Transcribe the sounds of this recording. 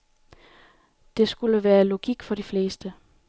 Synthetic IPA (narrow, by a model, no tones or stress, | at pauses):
d̥e̝sɡ̥uləʋæːɐlo̝ɡ̥iɡ̥fɒ̽ɾ̥ifle̝ːsd̥ə